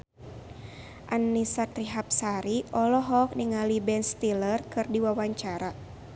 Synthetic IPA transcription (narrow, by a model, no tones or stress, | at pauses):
ʔanːisat̪ɾiɦap̚saɾiʔɔlɔɦɔk̚niŋalibɛnst̪ilərkɨrdiwawaɲt͡ʃaɾa